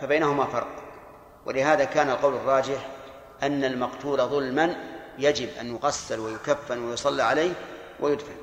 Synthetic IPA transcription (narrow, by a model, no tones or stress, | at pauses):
fabajnahʊmafɑɾˤq | wʔɪ̰lɪɦhaːðakaːnalqɑwlɑrˤːɑːd͡ʒɪħ | ʔanːalmɑqt̪uːlaðˤʊlmanjad͡ʒɪbʔanjʊɣasːalwajʊkafːɪnwajʊsˤɑlːiʕalajh | wʔɪjʊd̪fal